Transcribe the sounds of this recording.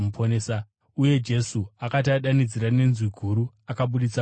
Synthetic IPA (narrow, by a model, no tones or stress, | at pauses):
mupʰoneːsa | uje̞d͡ʒe̞suakataɗanid͡ziɾane̞nzwiɡʱuɾu | akaɓuɗit͡sa